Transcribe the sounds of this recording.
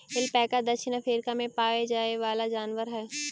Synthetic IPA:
ɪlpɛːkad̪ɐʃɪnəfʰeːɾkamẽpaːed͡ʒaːeʋaːlad͡ʒaːnʋəɾɦɛː

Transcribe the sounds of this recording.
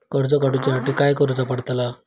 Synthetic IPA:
kəɾd͡zɔkaɽut͡ɕasaʈiːkajkəɾud͡zapəɽt̪la

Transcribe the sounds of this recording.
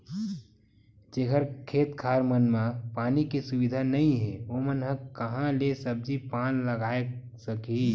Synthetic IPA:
d͡ʒeːɦəɾkʰeːt̪kʰaːɾmənmãpaːnikisubid̪ʱanəĩɦɛomənɦə̃kəɦãlesəb̚d͡ʒipaːnləɡaːe | səki

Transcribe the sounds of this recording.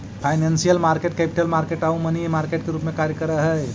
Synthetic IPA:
pʰajnensijəlmaɾkeʈ̚kepi̥ʈəlmaɾkeʈaũmənimaɾkeʈ̚keɾupmekaɾjəkəɾəɦəj

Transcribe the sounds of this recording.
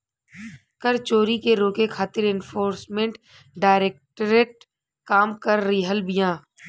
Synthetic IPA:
kəɾt͡ʃoːɾikeɾoːkekʰaːt̪ɪɾɪ̃nfʰoːɾsmẽɳʈ | ɖaːɪɾeːk̚ʈɾeːʈ̚ | kaːmkəɾːiɦəlbijãː

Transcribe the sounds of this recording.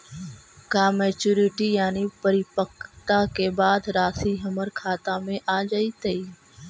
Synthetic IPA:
kaːmɛːt͡ʃuːɾɪʈijaːnipəɾɪpəkt̪akebaːd̪ɾaːsiɦɐməɾkʰaːt̪amẽʔaːd͡ʒait̪ɐiː

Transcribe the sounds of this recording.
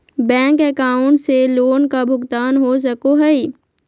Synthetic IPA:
bɛ̃ːŋkɛkaːʊ̃ɳʈseloːnkabʱʊɡt̪aːnɦos̬ɐkoɦɛi

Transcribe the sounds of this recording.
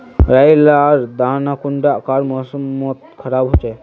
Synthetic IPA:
ɾajlaɾd̪anakuɳɖakaɾmɔsəmət̪̚kʰəɾabɦot͡ʃe

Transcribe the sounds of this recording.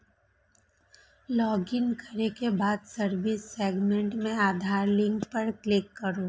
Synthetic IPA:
lɔːɡɪnkəɾekebaːd̪səɾʋɪsːeːɡmẽɳʈmẽaːd̪ʱaːɾlɪ̃ŋɡpɐɾklɪkːəɾo

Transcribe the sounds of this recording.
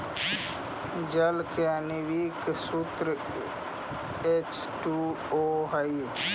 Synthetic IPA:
d͡ʒəlkãniʋiksut̪ɾ | et͡ʃ | ʈuː | oːɦəi

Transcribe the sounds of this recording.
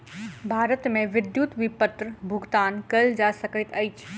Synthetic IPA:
bʱaːɾət̪mẽʋɪd̪juːt̪ʋɪpət̪ɾbʱʊɡt̪aːnkɐld͡ʒaːsɐkət̪ɐit͡ʃʰ

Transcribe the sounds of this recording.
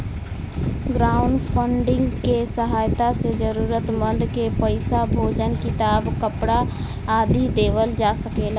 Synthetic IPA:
ɡɾaːʊɳɖpʰəɳɖɪ̃ŋɡkesəɦaːjt̪ased͡ʒəɾuːɾət̪mə̃nd̪kepəɪsabʱoːd͡ʒənkɪt̪aːbkəpɽa | aːd̪ʱid̪eːʋəld͡ʒaːsəkeːlaː

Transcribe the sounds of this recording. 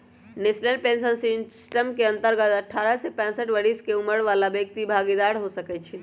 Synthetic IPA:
nesnəlpẽnsənsisʈəmkeə̃nt̪əɾɡət̪əʈʰːaɾəsepɛ̃səʈʋəɾiskeuməɽʋalabekt̪ibʱaɡid̪aɾɦosəkɛt͡ʃʰi

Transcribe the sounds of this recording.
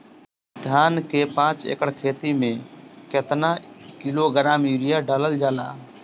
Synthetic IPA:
d̪ʱjaːnkepãːt͡ʃḛːkəɽkʰeːt̪imẽket̪nakiloɡəɾaːmiɾijaɖaːləld͡ʒaːla̰ː

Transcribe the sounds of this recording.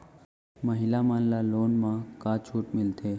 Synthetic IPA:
məɦilamanlalonmãkat͡ʃʰuːʈmɪlt̪ʰe

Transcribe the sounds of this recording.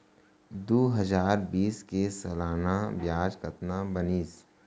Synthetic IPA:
d̪oːɦəd͡ʒaːɾbiːskesɐlaːnabjaːd͡ʒkət̪nabəniːs

